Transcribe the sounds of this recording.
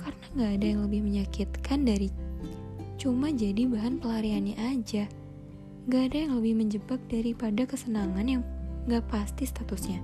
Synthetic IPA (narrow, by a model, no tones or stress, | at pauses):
karənaŋɡaːdajaŋləbɪhməɲakit̪kʰandaɾi | t͡ʃumad͡ʒadibaɦanpəlaɾianɲaʔad͡ʒa | əŋɡaːdajaŋləbɪhməɲd͡ʒəbak̚daɾipadakəsənaŋanjaŋŋɡapast̪ist̪at̪usɲa